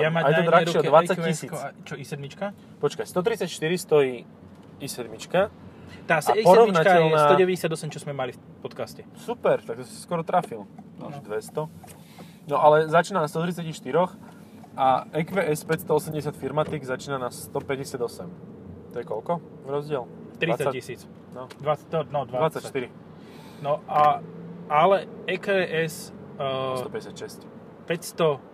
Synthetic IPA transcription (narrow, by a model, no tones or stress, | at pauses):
jamaajɛɔd̪ɾat͡ʃiɛɔd̪ʋat͡sːacːisiːkt͡ʃɔisɛd̪mit͡ʃka | pɔt͡ʃkajst̪ɔt̪̬ɾit͡sacʃt̪iɾist̪ɔiː | isɛd̪mit͡ʃkat̪aːsɛapɔɾɔvnakɛʎnsaːɔɟɛʋɛɟɛsɪad̪ɔsɛmt͡ʃɔzmɛmalif | pɔt̪kascɛsupɛɾt̪ak̚t̪ɔsi̥si̥skɔɾɔt̪ɾafila̰ʃd̪ʋɛst̪ɔ | nɔʔalɛzat͡ʃiːnanast̪ɔt̪ɾit͡sacixʃt̪iɾɔx | aɛkʋɛʔɛspɛcst̪ɔɔsɛmɟɛsɪat̪fiɾmat̪iɡzat͡ʃiːnanast̪ɔpɛɟɛsɪad̪ɔsɛm | t̪ɔjɛkɔlkɔ | ɾɔzɟɪɛl | t̪ɾiat͡sːaaisiːt͡s | nɔd̪ʋaɔnɔd̪ʋaʋat͡sːact̪iɾi | nɔʔa | alɛɛkɛʔɛs | t̪ɔpɛɟɛsjat̪ʃɛsc | pɛcst̪ɔ